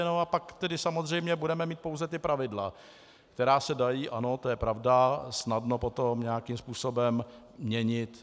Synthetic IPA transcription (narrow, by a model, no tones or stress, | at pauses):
noapakt̪ɛdɪsamozr̝ɛjmɲɛbudɛmɛmiːt̪̚powzɛt̪ɪpɾʔavɪdla̰ | kt̪ɛɾaːsɛdajiːʔano̞t̪ojɛpɾavdasnadno̞po̞t̪omɲɛjakimspuːso̞bɛmː | ɲɛɲɪt̪